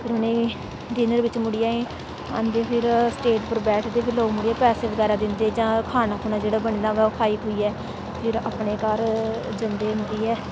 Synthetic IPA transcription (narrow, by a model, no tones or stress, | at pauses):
pʰɪɾʊnẽː | ɖ̪ɪːnəɾʋɪt͡ʃmʊɽijaːẽː | ã̰nd̪eːpʰɪɾsʈeːʈpəɾbɛːʈʰd̪eːpʰɪɾloːɡmʊɽiːaːpɛːseːbəɡɛːɾaːd̪ɪnd̪eːd͡ʒãːkʰaːnaːkʰuːnaːd͡ʒeːɽaːbəɳiːnaːʋɛːʊkʰaːiːpoiːɛː | pʰɪɾapɳeːkaɾ | d͡ʒənd̪eːʊ̃nd̪iːɛː